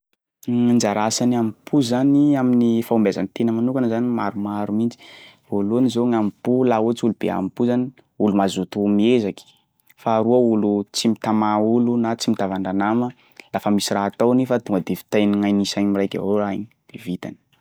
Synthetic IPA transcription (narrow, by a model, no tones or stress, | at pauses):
nd͡ʒaɾasaniampʰuzaniaminifaumbeza̰nit̪enəmanukanəzanimaɾumaɾumint͡si̥ | volunizoŋamipulaut͡sulub̥ḛa̰mipuzani | ulumazut̪umiezaki̥ | faːɾuəulut͡simit̪amaulunat͡simit̪avaɳɖ͡ʐanamə | lafəmisiraat̪awnifat̪uŋɡəd̪evi̥t̪ajniŋajnisaɲmirajkʲa̰ɦoɾaḭɲid̪̥evit̪ani̥